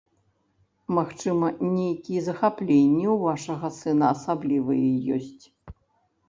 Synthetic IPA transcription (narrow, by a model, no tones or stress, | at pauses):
maxt͡ʂɨmɐnʲejkʲijɛzɐxaplʲenʲːɛwvaʂɐɣɐsɨnɐːsablʲivɨjɛjɔ̰sʲt͡sʲ